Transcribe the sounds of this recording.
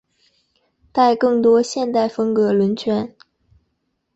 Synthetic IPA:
t̪a˥˧ɪkɤ˥˩ŋt̪wɔ˥ɕjɛ˥˧nt̪a˥˩ɪfɤ˥ŋkɤ˧˥lwə˧˥nt͡ɕʰɥɛ˥n

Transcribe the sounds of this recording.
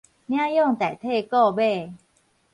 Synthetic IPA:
na˥˨jo˥˩˨ŋt̪ɛː˨˩t̪ʰeː˥˩kɔː˥˩be˥˩

